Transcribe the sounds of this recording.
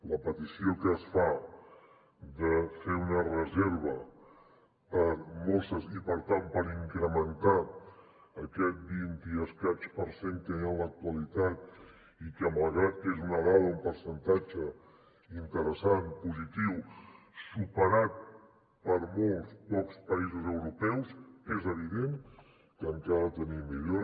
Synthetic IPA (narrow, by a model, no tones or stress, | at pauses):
ləpət̪isiokəːsfa | d̪əfeunərəzeɾβ̞ə | pəɾmolˠsəzipəɾt̪ampəɾiŋkɾəmənt̪a | əkɛt̪̚bint̪iəskat͡ʃpəɾseŋkəalək̚t̪wəlit̪at̪ | ikəməlɣɾat̪ezunəɣaðumpəɾsənt̪at͡ʃə | int̪əɾəsanpuzit̪iw | supəɾat̪̚ | pəɾmolˠspɔkspəizuzəwɾupɛwsezəβ̞iðeŋ | kəŋkaðət̪ənimiʎoɾ